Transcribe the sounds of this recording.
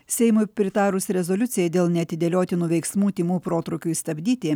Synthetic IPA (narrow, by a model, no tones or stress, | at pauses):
sʲɛɪmʊɪpʲɾʲɪt̪ɑːɾʊsɾʲɛzolʲʊt̪sʲɪjɛd̪ʲeːlˠnʲɛɐt̪ʲɪd̪ʲɛlʲoːt̪ʲɪnuːʋʲɛɪksmuːt̪ʲimuːpɾoːt̪ɾʊkʲuːist̪ɐbʲd̪ʲiːt̪ʲɪ